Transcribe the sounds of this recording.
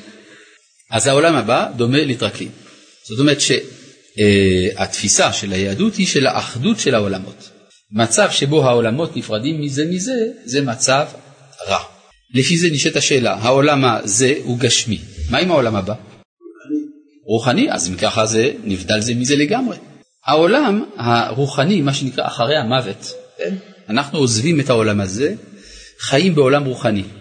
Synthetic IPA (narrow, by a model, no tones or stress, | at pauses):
ʔazhao̞lamhabad̪o̞melitʁaklḭm | z̥o̞t̬omeʁet̪ʃe | a̰t̪fisaʃelajeaduthiʃela̰ʔaχdutʃelhao̞lamo̞̰t | mat͡savʃe̞bo̞ɦao̞lamo̞t̪nifʁadimːizemize̞ze̞mat͡sav | ʁa̰ | lefizeniʃetaʃeːla̰ɦao̞lamaze̞huɡaʃmimaimao̞lamhaba | i | ʁuχaniʔa̰zimkaχaze̞nivd̪alze̞mize̞leɡamʁe̞ | hao̞lamhaʁuχanimaʃenikʁa̰ʔaχaʁejhamave̞tkenanaχnuozvime̞thao̞lamhaze̞ | χajimbeo̞lamʁuχani